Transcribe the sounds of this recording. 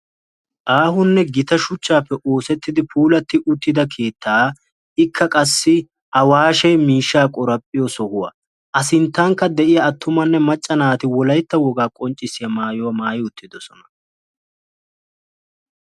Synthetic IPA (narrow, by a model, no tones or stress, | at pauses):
ʔaːhʊnːɛɡɪt̪ɐʃʊt͡ʃːaːpːɛʔo̞ːsɛt̪ːɪd̪ɪpuːlɐt̪ːɪʔʊt̪ːɪd̪ɐkʰe̞ːt̪ʰːaː | ɪkʰːɐkʼɐsːɪ | ʔɐwaːʃɛjmiːʃːaːkʼɔɾɐpʼːɪjɔsɔhʊwɐ̰ | ʔɐsɪnt̪ːɐŋkːɐd̪ɛʔɪjɐːt̪ːʊmɐnːɛmɐt͡ʃʼːɐnaːt̪ɪwɔlɐjt̪ːɐwɔɡaːkʼɔnt͡ʃʼːɪsɪjɐmaːjɔwɐmaːjɪʊt̪ːɪd̪ɔsɔnɐ̥